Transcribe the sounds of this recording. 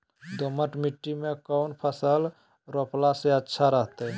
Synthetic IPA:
d̪oməʈmiʈːimekəʊnpʰəsəl | ɾoplaseətːʃʰaɾəɦt̪eɛ

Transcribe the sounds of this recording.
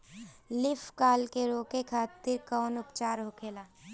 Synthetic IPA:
lɪfkaːlkeɾoːkekʰaːt̪ɪɾkɔːnʊpt͡ʃaːɾɦoːkʰeːlaː

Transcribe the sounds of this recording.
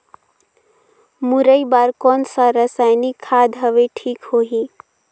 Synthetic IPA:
muɾəibaɾkɔːnsaɾəsajnikʰːaːd̪ɦəʋeʈʰiːkhoːɦi

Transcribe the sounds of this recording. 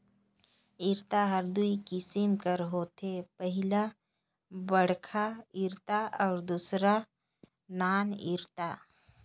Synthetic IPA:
ɪɾt̪aɦəɾd̪uikɪsɪmkəɾɦoːt̪ʰepəɦɪla | bəɽkʰaɪɾt̪aʔɔːɾd̪uːsɾa | naːnɪ̰ɾt̪a

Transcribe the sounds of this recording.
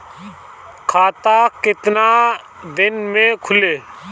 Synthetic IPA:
kʰaːt̪aːkɪt̪naː | d̪ɪnmẽːkʰʊleː

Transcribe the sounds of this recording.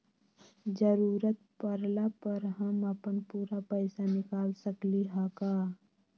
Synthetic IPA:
d͡ʒəɾuːɾət̪̚pəɾlapəɾɦəməpənpuːɾapəɪsanɪkaːlsəkliɦakaː

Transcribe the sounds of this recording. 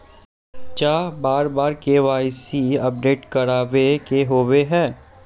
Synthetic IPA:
t͡ʃaːbaːɾbaːɾkeʋaːɪsiɐp̚ɖeːʈkɐɾaːʋekeɦoːweɦɛː

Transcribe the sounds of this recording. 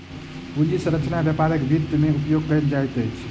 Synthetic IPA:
pud͡ʒisə̃ɾəkt͡ʃʰənabjapaɾəkbʱit̪ːmeupjoɡkəjld͡ʒajt̪əjt͡ʃʰ

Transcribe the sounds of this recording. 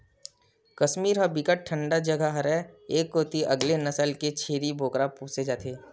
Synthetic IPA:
kɐʃmiːɾɦɐbɪkəʈ̚ʈʰːə̃ɳɖad͡ʒəɡʱaɦɐɾɛeːkːoːt̪iʔɐɡlenɐsəlket͡ʃʰeːɾibʱoːkɾapuːsed͡ʒaːt̪ʰeː

